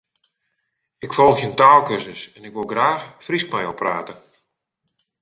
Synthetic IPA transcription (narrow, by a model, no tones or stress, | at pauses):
ɪkfɔlˠəxjəntaːlˠkøsəsɛnɪkʋolˠɡraːxfriskmajɔpra̰ːtə